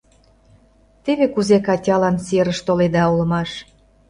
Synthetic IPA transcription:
t̪eβekuzekɑtʲɑlɑnseɾəʃt̪oled̪ɑulə̆mɑʃ

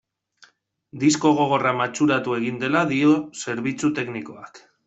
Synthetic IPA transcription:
d̪isko̞ɣ̞o̞ɣ̞o̞ramat͡ʃuɾat̪ue̞ɣind̪e̞laðiose̞ɾβit͡sut̪e̞kniko̞ak

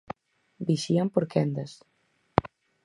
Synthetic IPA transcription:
biʃiampoɾkɛnd̪ɐs

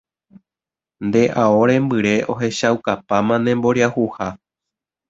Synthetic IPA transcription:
nd̪e̞ʔao̞ɾẽmbɨɾe̞ʔo̞ɦe̞ʃawkapamãnẽ̞mbo̞ɾiahuha

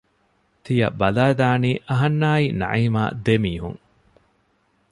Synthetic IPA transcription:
t̪ijɐ̰bɐlaːd̪aːniːʔɐɦɐnːaːinɐ̰ʕiːma̰ːd̪emiːɦṵŋ

